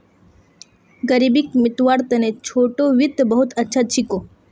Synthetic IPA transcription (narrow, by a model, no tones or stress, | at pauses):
ɡəɾibikmɪt̪ʋaɾt̪ɐnet͡ʃʰoːʈoʋɪt̪bəɦʊt̪ɐtːʃʰat͡ʃʰikoː